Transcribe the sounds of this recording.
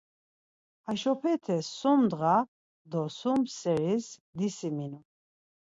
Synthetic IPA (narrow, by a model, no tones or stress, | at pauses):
aʃɔpʰɛt̪ʰɛsːɔmd̪ɣa | d̪ɔsumsɛɾisd̪isiminu